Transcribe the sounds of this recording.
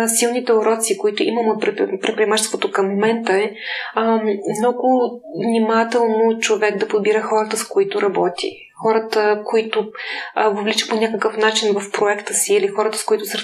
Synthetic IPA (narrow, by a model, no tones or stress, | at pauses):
silˠnit̪ɛoɾɔt̪sikoit̪ʊʔiməmɛpɾpɾɛpɾiɛmat͡ʃɛst̪vot̪okɐmːomɛnt̪əɛ | mnɔɡʊvnimat̪ɛlˠnot͡ʃovɛɡd̪ɐpod̪̚biɾəxɔɾət̪əskoit̪ʊɾʔɐbɔt̪ḭ | xɔɾət̪əkoit̪ʊvovlit͡ʃə̥ponʲakəkəfn̪at͡ʃinvəfpɾoɛkt̪əsiːlixɔɾət̪ə̥skoit̪ʊsəɾ